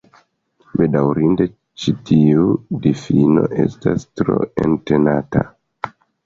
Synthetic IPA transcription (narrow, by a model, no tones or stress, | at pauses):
be̞dawɾinde̞ | t͡ʃitiudifino̞ʔe̞stastɾo̞ente̞nata